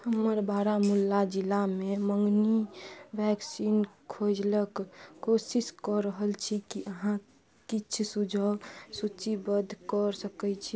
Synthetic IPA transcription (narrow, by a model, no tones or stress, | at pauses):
həməɾbaːɾamulːad͡ʒilameməŋɡnibʱɛksinkʰod͡ʒləkkosiskɔɾəɦəlt͡ʃʰikiʔəɦã | kit͡ʃʰsud͡ʒʱəsut͡ʃibəd̪ʱkəɾsəkɛt͡ʃʰi